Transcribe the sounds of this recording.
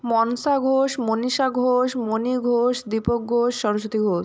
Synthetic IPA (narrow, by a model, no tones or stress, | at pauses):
mɔnsaɡʱoʃmoniʃaɡʱoʃmoniɡʱoʃd̪ipok̚ɡʱoʃːɔɾoʃ̬ot̪iɡʱoʃ